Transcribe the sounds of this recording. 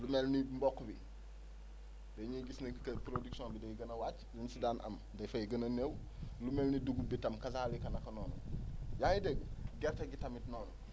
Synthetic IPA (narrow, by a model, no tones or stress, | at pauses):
lumelnimbɔkːubi | deɲuɡisnɐkɐpɾoduksõnbidɐjɡɐnɐwaːt͡ʃlinsidaːnʔɐ̰m | dɐjfɐjiɡɐnɐneːwlumelniduɡubitɐmkɐsaːlikɐnɐkɐnoːnṵjaŋideɡ̚ɡɛɾtɐɡitɐmitnoːnu